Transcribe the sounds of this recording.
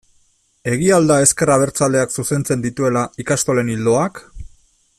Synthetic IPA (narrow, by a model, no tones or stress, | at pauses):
e̞ɣ̞iald̪ae̞ske̞raβ̞e̞ɾt͡sald̪e̞aksuse̞nt͡se̞nd̪it̪ue̞laikast̪o̞le̞nild̪o̞ak